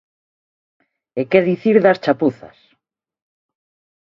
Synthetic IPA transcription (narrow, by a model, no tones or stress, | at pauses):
ekeðiθiɾðast͡ʃapuθa̰s